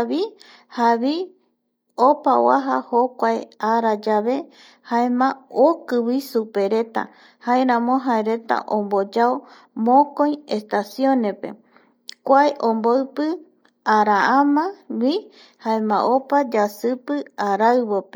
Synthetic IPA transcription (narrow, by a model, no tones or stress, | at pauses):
βi | haβi | opa̰wa̰ɦa̰hokʷaeaɾad͡ʒaβe̞ | haemãokɨwisupe̞ɾe̞t̪a̰ | haeɾãmõɦaeɾe̞t̪a̰ʔõmbod͡ʒao | mõkoj̃e̞st̪asjõ̞nepe̞̰ | kʷaeʔõmboɨpɨ | aɾaãmãwi | haemãʔopad͡ʒasɨpɨaɾaɨβope